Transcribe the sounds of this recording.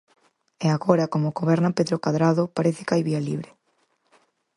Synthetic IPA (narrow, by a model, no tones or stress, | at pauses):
eaɣoɾɐkomoɣoβɛɾnapeðɾokaðɾaðopaɾeθɪ̥kajβialḭβɾe